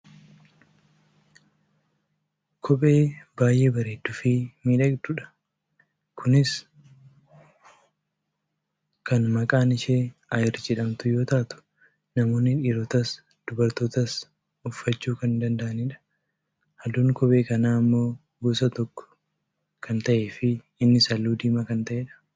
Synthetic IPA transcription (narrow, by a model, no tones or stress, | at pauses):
kʰɔpʼe̞ːbaːjʔe̞ːbɐɾeːd̪ːʊfiːmiːᶑɐɡd̪ʊᶑɐ̥ | kʰʊnɪs | kɐnmɐkʼaːnɪʃeːʔɐjɪɾd͡ʒɛᶑɐmt̪ʊjo̞ːt̪aːt̪ʊ̥ | nɐmo̞ːnːɪᶑiːɾoːt̪ɐs | d̪̥ʊbɐɾt̪o̞ːt̪ɐs | ʊfːɐt͡ʃːuːkɐnd̪ɐnd̪ɐʔɐnɪᶑɐ̥ | hɐd̪uːŋkɔpʼe̞ːkɐnaːɐmːo̞ː | ɡuːsɐt̪ɔkːɔ̥ | kʰɐnt̪ɐʔe̞ːfɪ | ɪnːɪsɐlːuːd̪iːmɐkɐnt̪ɐʔeːᶑɐ̥